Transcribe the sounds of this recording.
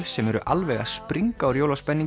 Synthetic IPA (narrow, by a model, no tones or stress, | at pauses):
sɛmɛɾʏʔalvɛɣa̰̥spɾiŋkkaawɾjowlaspɛnːi